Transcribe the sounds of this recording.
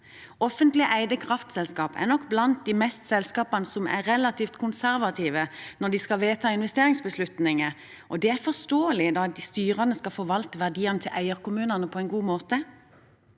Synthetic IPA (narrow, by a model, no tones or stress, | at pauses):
ɔfənt̪lɪʔæɪd̪əkʰʁɑft̪sɛlskɑːpæ̰ʁnɔkːblɑnt̪̚d̪iːmɛst̪sɛlskɑːpɑnəsɔmæ̰ːɛlɑt̪ʰiːft̪kʰʊnsæʁʋɑt̪ʰiːʋənɔd̪ɪskɑʋeːt̪ʰɑːɪnʋɛst̪eːʁɪŋsbəslʉt̪nɪŋə | ʔɔd̪ɛæɾfɔst̪oːəlɪd̪ɑd̪ist̪yːʁɑnəskɑlfɔʋɑlt̪əʋæʁd̪iːɑnət̪ʰɪlʔæɪəʁkʊmʉːnɑnəpʰɔɛnɡuːmoːt̪ə